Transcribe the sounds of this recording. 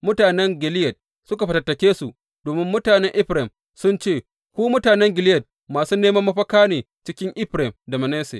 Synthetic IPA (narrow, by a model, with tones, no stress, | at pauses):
mʊ˦taː˨nɛ˦ŋɡʲɪ˨lɪ˦jɐ˨d̚ | sʊ˦ka˨ɸɐ˨tɐ˨tːɐ˨kʲeː˦su˨ | d̥oː˨mɪ˦mːʊ˦taː˨nɛ˦ŋʔɪ˦ɸɾɛ˨m | sʊ˦nt͡ʃeː˦˨ | kʷuː˦mʊ˦taː˨nɛ˦ŋɡʲɪ˨lɪ˦jɐ˨d̚ | maː˨suː˦neː˦mɐ˦mːɐ˦ɸɐ˦kaː˦neː˨ | t͡ʃɪ˦kʲɪ˦ŋʔɪ˦ɸɾɛ˨mda˨mɐ˨neː˦sḛ˨